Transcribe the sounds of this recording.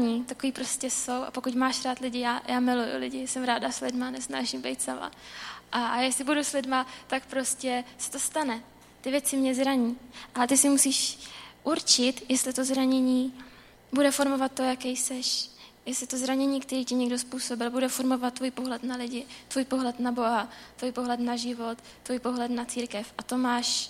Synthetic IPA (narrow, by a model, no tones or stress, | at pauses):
ɲiːt̪akoiːpɾo̞scʲɛso̞wʔa̰po̞kucmaːʃɾaːt̪lɪɟɪjaːjʔaːmɪlujʊ̰lɪɟɪsɛmɾaːdaslɪdmanɛsna̰ːʒɪmbɛ̰jt̪sama̰ʔajɛslɪbuduslɪdmat̪akpɾo̞scɛsɛ̥t̪o̞st̪anɛ | t̪ɪvjɛt͡sɪmɲɛzɾaɲiːʔalɛt̪ɪsɪmusiːʃʔuɾt͡ʃɪt̪jɛst̪lɪt̪o̞zɾaɲɛɲiː | budɛfo̞ɾmo̞vat̪̚ːo̞jakɛjsɛʃjɛslɪt̪o̞zɾaɲɛɲiːkt̪ɛɾiːcɪɲɛɡdo̞spuːso̞bɪlbudɛfo̞ɾmo̞vat̪̚tːvuːjpo̞ɦlɛt̪nalɪɟɪt̪vuːjpo̞ɦlɛt̪nabo̞ɦat̪vuːjpo̞ɦlɛt̪naʒɪvo̞t̪ːvuːjpo̞ɦlɛt̪nat͡siːɾkɛfʔat̪o̞maːʃ